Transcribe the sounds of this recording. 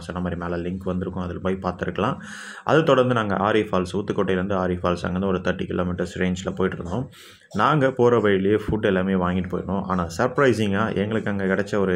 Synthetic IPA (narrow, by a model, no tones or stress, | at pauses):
sɔnːɐmaːd̪ɾimeːlɐlɪŋkʋɐnd̪ɯɾɯkːʊ̃ɐðɪlpɐːjɪpaːɾt̪ɪɾɯkːɐɭãː | ʔɐ̰ðɯt̪ɔɽɐnd̪ɯnaːŋɡɐ̰ʔaːɾifaːlsuːt̪ːɯkːɔʈːɐɪlɾɯnd̪ɯaːɾifaːlsɐ̰ŋɡɐɾnd̪ɯɔɾɯt̪ɐʈːikɪloːmɪʈːɐɾsɾeːɲd͡ʒlɐpoːjɪʈːɯɾɯnd̪õː | naːŋɡɐpoːɾɐʋɐɻɪɭefʊɖɛlaːmeːʋaːŋɡɪʈːɯpoːjɪɾɐnõːʔa̰ːnaːsɐɾpɾɐɪsɪŋɡaːʔɛŋɡɐɭɯkːaːŋɡɐkɪɽɛt͡ʃːɐɔɾɯ